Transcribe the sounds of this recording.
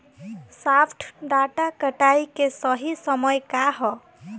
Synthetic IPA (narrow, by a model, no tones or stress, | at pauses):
sapʰʈʰɖaʈakəʈaikesɔɦisɔmɔjkaɦɔ